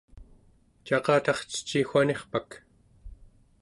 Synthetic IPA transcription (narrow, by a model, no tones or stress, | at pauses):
t͡ʃɑqɑːt̪ɑχt͡sə̥t͡ʃːixʷaneχpak